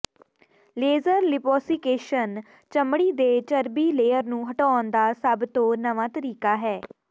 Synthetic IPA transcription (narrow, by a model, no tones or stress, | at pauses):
leːzəɾlɪpɔːsikeːʃən | t͡ʃəmɽiːd̪eːt͡ʃəɾbiːleːəɾnũːɦəʈɔːnd̪aːsəbt̪õːnəʋãːt̪əɾiːkaːɦɛː